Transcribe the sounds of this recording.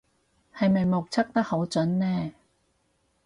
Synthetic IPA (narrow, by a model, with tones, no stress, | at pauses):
hɐ˨jmɐ˨jmo˨k̚t͡sʰɐ˥k̚t̪ɐ˥k̚ho˨˥wt͡sɵ˨˥nnɛː˥